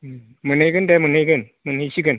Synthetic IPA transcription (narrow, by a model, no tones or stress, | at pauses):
mɨnəjkəndɛmənɦəjkən | mɨnhəsikən